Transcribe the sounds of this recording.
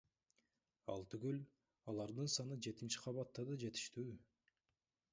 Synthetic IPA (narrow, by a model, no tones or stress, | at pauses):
ɑlˠt̪yɡyl | ɑlˠɑɾd̪ɯnsɑnɯd͡ʒe̞t̪int͡ʃi̥qʰɑβɑt̪ːɑd̪ɑd͡ʒe̞t̪i̥ʃt̪yː